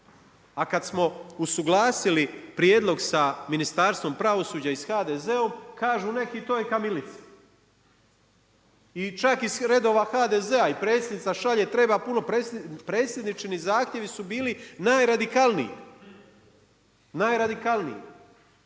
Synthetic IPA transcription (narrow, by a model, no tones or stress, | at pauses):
akad̪smo̞usuɡlˠaːsilipɾjeːd̪lo̞ɡsaminist̪aːɾst̪ʋo̞mpɾaʋo̞suːd͡ʑaisxaːd̪eze̞o̞mkaːʒuːne̞kit̪oːjekamilit̪si̥ | it͡ʃakizɾe̞d̪o̞ːʋaxaːd̪ezeaipɾet̪sjed̪nit̪saʃaʎet̪ɾe̞bapuno̞pɾepɾeːt̪sje̞d̪nit͡ʃinizaːxt̪je̞ʋisubiːlinaːjɾad̪ikalˠnḭjḭ | naːjɾad̪ikalˠnḭjḭ